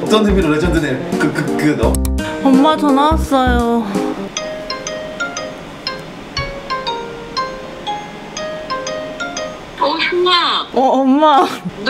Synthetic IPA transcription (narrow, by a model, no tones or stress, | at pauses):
ʌt͈ʌnɦɯmiɾoɾed͡ʑʰʌndɯnekɯkɯkɯnʌʌmːat͡ɕʌnas͈ʌjo | omaʌːmːa